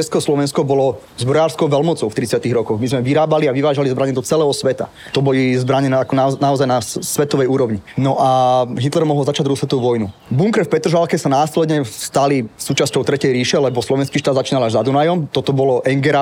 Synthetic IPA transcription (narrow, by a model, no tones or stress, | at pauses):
t͡ʃɛskɛɔslɔʋɛnskɔbɔlɔ | zbɾɔjaːɾskɔʊʋɛlmɔt͡sɔʊft̪ɾit͡sɪat̪iɣɾɔkɔɣmizmɛʋiɾaːbaliaʋiʋaːʒalizbɾaɲɛd̪ɔt͡sɛlɛːɦɔsʋɛt̪a̰ | t̪ɔbɔlizbɾaɲɛakɔnanaɔzajnasʋɛt̪ɔʋɛjuːɾɔʋɲinɔʔaɦit̪lɛɾmɔɦɔlzat͡ʃaɟ̪ɾusʋɛt̪ɔʋuʋɔjnu | buŋkɾɛfpɛt̪ɾɔʒalkɛsanaːslɛd̪ɲɛfst̪alisuːt͡ʃascɔʊt̪ɾɛcɛjɾiːʃɛlɛbɔslɔʋɛnskiːʃt̪aːd̪zat͡ʃiːnalaʒzad̪unajɔmt̪ɔt̪ɔbɔlɔʔɛŋɡɛɾa